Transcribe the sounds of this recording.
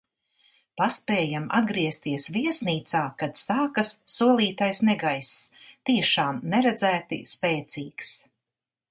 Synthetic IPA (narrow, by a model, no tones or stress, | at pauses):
paspɛːjama̰d̪̚ɡɾiɛst̪iɛsviɛsniːt̪saːkad̪saːkɐsːuɔlˠiːt̪ajsnɛɡajst̪iɛʃaːmnɛɾɛd̪zæːt̪ḭspɛːt̪siːks